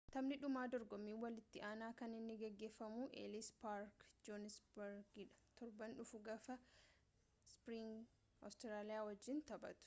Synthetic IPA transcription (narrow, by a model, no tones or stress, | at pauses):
t̪ɐmnɪᶑʊmaːd̪ɔɾɡɔmːiːnwɐlɪt̪ːɪʔaːnaːkɐnɪnːɪɡɛɡːe̞ːfːɐmuːʔḛːlɪspaɾkd͡ʒɔnɪsbɛɾɡɪᶑɐ̥t̪ɔɾbɐnᶑʊfʊɡɐfɐ | spɾɪŋ | ɔ̰st̪ɪɾaːlɪjaːwɐd͡ʒːɪnt̪ɐbɐ̰t̪ʊ̥